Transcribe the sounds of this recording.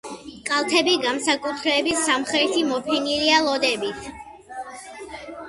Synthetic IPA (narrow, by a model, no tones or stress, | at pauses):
kʼalˠt̪ʰɛbiɡamsakʼut̪ʰɾɛːbisamχɛt̪ʰimɔpʰinilialˠɔd̪ɛbit̪ʰ